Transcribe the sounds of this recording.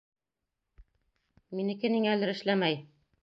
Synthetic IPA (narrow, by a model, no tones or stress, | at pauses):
minɘ̆kɘ̆nɘŋælɘɾɘ̆ʃlæmæj